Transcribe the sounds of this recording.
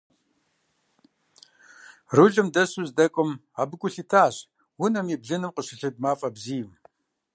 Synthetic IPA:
ruɮɨmdɐɕuzdɐkʷʼʊmaːbɨkʷʼʊɬitʰaːɕ | wʊnɐmibɮɨnɨmqəɕɪɬɨd̚maːfʼɐbziːjm

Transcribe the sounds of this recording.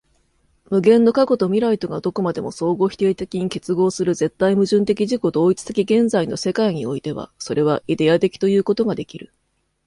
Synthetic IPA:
mɯ̟ɡẽ̞nːo̞kako̞t̪o̞mʲiɾait̪o̞ɡad̪o̞ko̞mad̪e̞mo̞so̞ːɡo̞ːçi̥t̪e̞ːt̪e̞kʲiɲ̟ike̞t͡sɨɡo̞ːsɨɾɯ̟ze̞t̪ːaimɯ̟ʑɨ̃nt̪e̞kʲiʑiko̞t̪oːit͡sɨ̥t̪e̞kʲiɡẽ̞nd͡zaino̞̰se̞kaiɲ̟io̞it̪e̞βa̰so̞ɾʔe̞β̞aʔid̪e̞at̪e̞kʲi̥t̪o̞jɯ̟ːko̞t̪o̞ɡad̪e̞kʲiɾɯ̟̰

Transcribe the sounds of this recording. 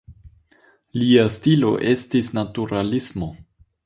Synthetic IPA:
liastilo̞̰ʔe̞stisnatuɾalismo̞

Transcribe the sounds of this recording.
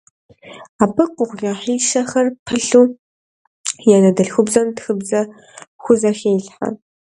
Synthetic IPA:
aːpʰɨkʷʼʊʁʷɣaħiːʃɐxɐrpʰəɬuː | janɐdɨɬxʷʊbzɐmtxɨbzɐ | xʷʊzɐxeːjɬħa̰

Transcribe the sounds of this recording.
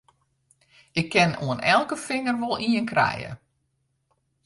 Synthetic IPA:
ɪkʰːɪnuənɛlˠkəfɪŋərʋolˠiənkrɛ̰jə̰

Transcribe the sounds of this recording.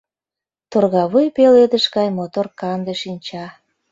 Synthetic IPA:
t̪orɣɑβujpeled̪əʃɡɑjmot̪orkɑnd̪eʃinʲt͡ɕɑ

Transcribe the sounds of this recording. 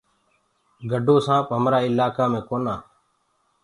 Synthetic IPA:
ɡʱəɖʱoːsãːpɦəmɾaːɪlaːkaːmẽːkoːnaː

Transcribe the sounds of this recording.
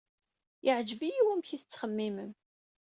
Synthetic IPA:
ɪʕd͡ʒvijiwæmçiθət͡sːχəmːiməm

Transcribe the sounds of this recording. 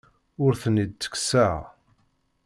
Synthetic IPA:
ʊɾθənid̪̚t͡sə̥ksa

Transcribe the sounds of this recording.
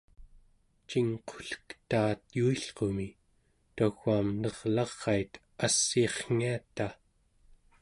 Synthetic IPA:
t͡ʃiŋqʰo̥ɬə̥kt̪aːt̪juiɬqo̞mi | t̪aɣaːmnʌʁlɑʁːɑjt̪ | asːiχŋ̥iat̪a

